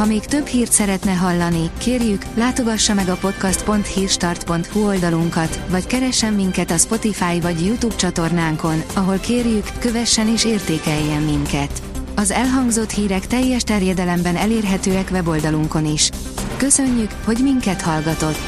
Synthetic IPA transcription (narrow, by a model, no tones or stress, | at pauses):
hɒmeːkt̪ø̞bhiːrt̪sɛɾɛt̪nɛɦɒlːɒnikeːrjyklaːt̪o̞ɡɒʃːɒmɛɡɒpo̞t̪kɒst̪po̞nt̪hiːrʃt̪ɒrt̪po̞nt̪huo̞ld̪ɒluŋkɒt̪ʋɒckɛɾɛʃːɛmːiŋkɛt̪ɒspo̞t̪ifaːjvɒɟjut̪uːbt͡ʃɒt̪o̞rnaːŋko̞nɒɦo̞lkeːrjykːø̞vɛʃːɛneːʃeːrt̪eːkɛjːɛmːiŋkɛt̪ | ɒzɛlɦɒŋɡzo̞t̪hiːɾɛkt̪ɛjːɛʃt̪ɛrjɛd̪ɛlɛmbɛnɛleːrɦɛt̪øːɛkʋɛbo̞ld̪ɒluŋko̞niʃ | kø̞sø̞ɲːykho̞ɟmiŋkɛt̪hɒlɡɒt̪o̞t̪ː